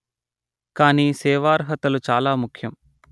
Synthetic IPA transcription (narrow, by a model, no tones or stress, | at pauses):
kaːniːsɛːʋaːɾɦɐt̪ɐlut͡ʃaːlaːmukʰjɐm